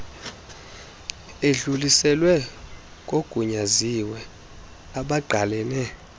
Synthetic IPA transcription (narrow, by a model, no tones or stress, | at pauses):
eɮulisɛlwɛ | kʼoɡ̥ʱuɲaziwɛ | aɓaɡ͡ǃʱalɛːnɛ